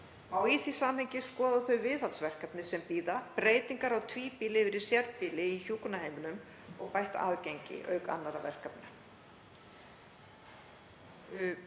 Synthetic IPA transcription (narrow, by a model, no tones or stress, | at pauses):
awiθisaːmhejɲcɪskɔːðaθœɥvɪðat̪svɛr̥kapnɪsɛmpiːðapɾeːjt̪iŋkaɾawt̪ʰviːpiːlɪvɪɾɪɾ̥sjɛɾt̪̚piːlɪiçuːkʊnaheːjmʏnʏm | ɔɣpajht̪a̰ːðcejɲcɪ̰ʔœːɥka̰nːaɾavɛr̥kapna